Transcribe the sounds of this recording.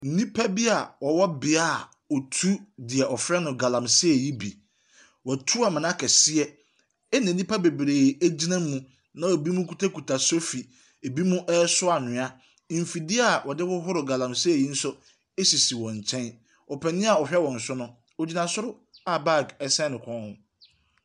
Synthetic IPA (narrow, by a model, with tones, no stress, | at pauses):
n̩˦nĩ˦pʰa˦bi˦a˨wɔ˨wɔ˦bɪ˨a˦˨ | ɔ˨tʰu˦dɪ˨ɛ˨ʔɔ˨fɾɛ˦nʊ̃˨ɡa˨lã˨msɪ˦ɛ˨ji˦bi˨ | wɔ˨tʰu˦a˨mɪ̃˨nã˦kʰɛ˨sɪ˦ɛ˦ | ɛ˦nã˨nĩ˦pʰa˦be˨bɾeː˨æ˦d͡ʑi˦nã˦mũ˦ | nã˦wɔ˨bi˦mũ˦kʰu˦tʰa˦kʰu˨tʰa˨so˦fi˨ | e˨bi˦mũ˦ʔɛ˦sʊ˦a˨nʊ̃˨a˦˨ | m̩˨fi˨dɪ˦a˦˨wɔ˨dɪ˦wʊ˦ɦʊ˦ɾɪ˨ɡa˨lã˨msɪ˦ɛ˨ji˦n̩˦sʊ˦ | e˦si˨si˨wɔ̃˨ɲ˨t͡ɕʰɛ̃˦n | ɔ˨pʰɛ˨nɪ̃˦a˨ɔ˨ɕᶣɛ˦wɔ̃˨n̩˨sʊ˦nʊ̃˦ | o˨d͡ʑi˨nã˨sʊ˦ɾʊ˦ | a˨ba˦˨ɡɛ˦sɛ̃˦nʊ̃˨kʰɔ̃˦nhʊ̃˦˨